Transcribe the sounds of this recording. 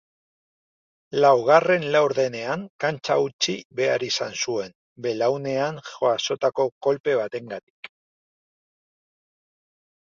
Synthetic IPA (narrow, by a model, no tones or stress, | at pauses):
lawɣ̞are̞nlawɾðe̞ne̞aŋkant͡ʃaut͡ʃiβe̞aɾisansue̞n | be̞lawne̞aŋxoaso̞t̪ako̞ko̞lpe̞β̞at̪e̞ŋɡat̪i̥k